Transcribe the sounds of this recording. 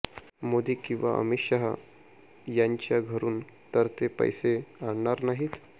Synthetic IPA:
mod̪iːkĩw̃ʋa̰ʔə̰miɕaɦə | jaɲt͡ɕjaɡʱəɾuːn | t̪əɾt̪epə̰jseaɽɳaɾnaɦiːt̪

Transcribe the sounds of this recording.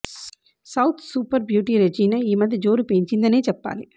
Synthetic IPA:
sɐʊt̪ʰsuːpɐɾbjuːʈ̬iɾɛd͡ʒiːnɐiːmɐðid͡ʒoːɾɯpeːnt͡ʃɪnd̪ɐneːt͡ʃɐpːa̰ːli

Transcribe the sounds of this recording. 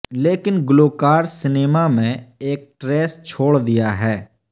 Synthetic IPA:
leːkɪnɡʊloːkaːɾsɪneːmamẽeːk̚ʈɾɛːst͡ʃʰoːɽd̪ɪjaɦɛː

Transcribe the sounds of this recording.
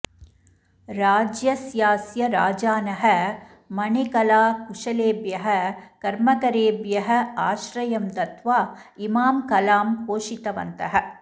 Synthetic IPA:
ɾaːd͡ʒjɐsjaːsjɐɾa̰ːd͡ʒaːnɐɦɐ̆ | mɐɳekɐlaːkuʂɐleːbjɐɦɐ̆kɐɾmɐkɐɾeːbjɐɦɐ̆aːʃɾɐjɐmd̪ɐt̪ʋaːimaːmkɐlaːmpoːʂit̪ɐʋɐ̰nt̪ɐɦɐ̆

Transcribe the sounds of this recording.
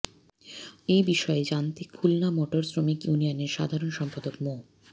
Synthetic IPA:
ejbiʃɔed͡ʑant̪ekʰulnamoʈoɾsɾomikjunijoneɾʃa̰d̪ʱaɾonʃɔmpad̪okmo

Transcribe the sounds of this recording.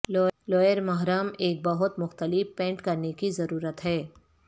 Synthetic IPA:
lɔlɔːjəɾmɐɦɾaːmeːk̚bɐɦʊt̪mʊxt̪əlɪfpɛ̃ːɳʈkɐɾnekizɐɾuːɾət̪ɦɛː

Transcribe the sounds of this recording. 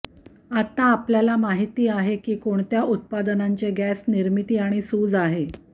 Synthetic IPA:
at̪aːpljalamaɦit̪iːaɦekiːkoɳt̪jaʔut̪̚pad̪ənaɲt͡ɕeɡæsniɾmit̪iːaɽ̃isuːd͡zaɦe

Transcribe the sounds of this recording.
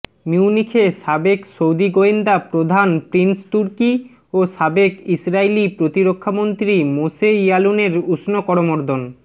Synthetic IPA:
miwnikʰeʃabeksowd̪iɡoind̪apɾod̪ʱanpɾinst̪uɾki | oʃabekisɾailipɾot̪iɾokʰːamont̪ɾimoseijaluneɾusnokɔɾomoɾd̪ʱon

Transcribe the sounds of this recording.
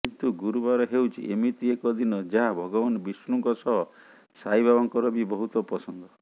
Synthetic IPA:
kint̪uɡuɾubaɾɔɦewt͡ʃʰḭʔemit̪iekɔd̪inɔd͡ʒaɦabʱɔɡɔbanɔbisɾuŋkɔsɔɦɔ | sajbabɔŋkɔɾɔbibɔɦut̪ɔpɾɔsɔnd̪ɔ

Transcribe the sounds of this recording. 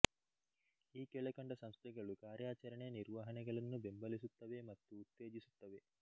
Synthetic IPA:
iːkɛɭɐkɐɳɖɐsɐmst̪ʰɛɡɐɭukaːɾjaːt͡ʃɐɾɐɳejɐniɾʋaːɦɐnɛɡɐɭɐnːubembɐlisut̪ːɐʋemɐt̪ːuːt̪ːeːd͡ʒisut̪ːɐʋe

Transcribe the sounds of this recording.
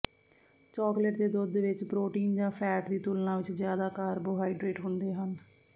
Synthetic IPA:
t͡ʃɔːkləʈd̪eːd̪od̪eːʋɪt͡ʃpɾoːʈiːnd͡ʒãːpʰɛːʈd̪iːt̪uːlnãːʋɪt͡ʃzjaːd̪aːkaːɾboːɦaːiɖɾeːʈɦʊ̃nd̪eːɦən

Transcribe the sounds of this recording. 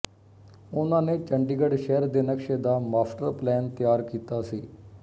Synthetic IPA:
ʊnãːneːt͡ʃəɳɖiːɡəɖʃɛːəɾd̪eːnəkʃeːd̪aːmaːpʈəɾplɛːnt̪ɪjaːɾkiːt̪aːsiː

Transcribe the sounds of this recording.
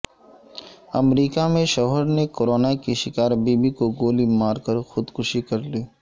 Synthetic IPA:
ɐ̰mɾiːkamẽʃɔːɦəɾnekoɾoːnakiʃɪkaːɾbiːbikoɡoːlimaːɾkəɾxʊd̪kʊʃikɐɾliː

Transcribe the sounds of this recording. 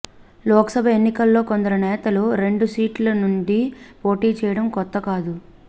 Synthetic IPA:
lɔːksɐbʱɐe̞nːikɐlːo̞ːkɔnd̪ɐɾɐnɛːt̪ɐluɾe̞ɳɖusiːʈlɐnuɳɖipo̞ːʈiːt͡ʃɛːjɐɽɐmkɔt̪ːɐkaːd̪u

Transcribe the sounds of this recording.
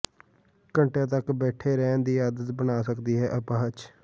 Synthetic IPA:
kəɳʈãːt̪əkbɛːʈʰeːɾɛ̃ːnd̪iːjaːd̪ət̪bənaːsəkd̪iːɦɛːʔəpãːɦət͡ʃ

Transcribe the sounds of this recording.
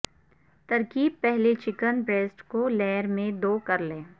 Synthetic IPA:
t̪ɐɾkiːb̚pɛɦlet͡ʃɪkənbɾeːsʈkolɛːəɾmẽd̪oːkɐɾlẽː

